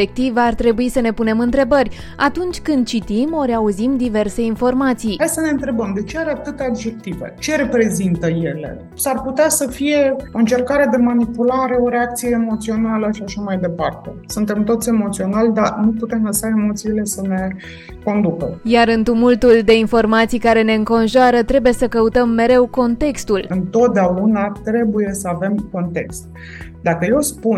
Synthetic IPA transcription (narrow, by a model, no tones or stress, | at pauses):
ek̚t̪ivart̪ɾe̞buisəne̞pune̞mɨnt̪ɾe̞bərʲ | at̪unt͡ʃʲkɨnd̪̚t͡ʃit̪imo̞ɾeauzimd̪ive̞rse̞info̞rmat̪sijhajsəne̞ɨnt̪ɾe̞bəmd̪e̞t͡ʃeaɾeat̪ɨt̪aad̪d͡ʒe̞k̚t̪ivḛt͡ʃe̞ɾe̞pɾe̞zint̪əje̞le̞̰ | sarput̪easəfije̞oɨnt͡ʃe̞rkaɾed̪e̞manipulaɾe̞o̞ɾe̞ak̚t̪sije̞ːmo̞t̪sio̞naləʃiaʃamajd̪e̞part̪e̞̰sunt̪e̞mt̪o̞t̪sʲe̞mo̞t̪sio̞nald̪anuput̪e̞mləsaemo̞t̪siːle̞səne̞ | ko̞nd̪ukəjaɾɨnt̪umult̪uld̪e̞info̞rmat̪sijkaɾe̞ne̞ɨŋko̞nʒaɾət̪ɾe̞buje̞səkəut̪əmːe̞ɾe̞wko̞nt̪e̞kst̪ulɨnt̪o̞t̪̚d̪eaunat̪ɾe̞buje̞səave̞mko̞nt̪e̞̰kst̪̚ | d̪akəje̞wspun